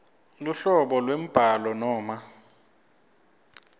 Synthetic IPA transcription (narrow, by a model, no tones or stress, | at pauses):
luɬɔɓɔlwem̩b̥ʱalɔnɔːma